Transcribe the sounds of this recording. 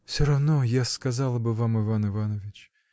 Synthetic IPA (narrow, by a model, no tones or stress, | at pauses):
fsʲɔɾɐwnɔjaskɐzɑlˠɐbɪvamɪvanɪʋanɔʋʲɪt͡ʃ